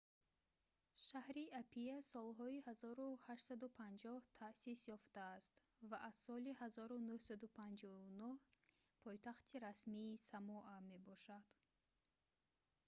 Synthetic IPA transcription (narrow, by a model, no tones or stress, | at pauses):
ʃahɾiapʰiasɔlɦɔihazɔɾuhaʃt̪sad̪upʰand͡ʒɔht̪ʰasisjɔft̪aːst̪ | vaʔaz̥sɔlihazɔɾunuhsad̪upʰand͡ʒɔunuh | pʰɔjt̪ʰaχt̪ʰiɾasmiːsamɔʔame̞bɔʃad̪̥